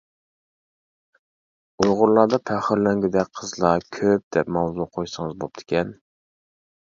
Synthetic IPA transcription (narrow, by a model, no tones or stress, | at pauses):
ujʁʊɾlˠɑɾd̪ɑpʰæχəɾlɛŋɡʲɪd̪ɛk̚ʲqʰəzlˠɑkʲʰøp̚d̪ɛpmɑwzuqʰojsɨŋɨzbop̚t̪ʰɪ̥kʲʰɛn